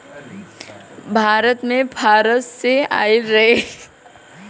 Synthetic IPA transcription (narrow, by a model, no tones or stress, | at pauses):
bʱaːɾət̪mẽbʱaːɾət̪sea̰ːiɾɐɦe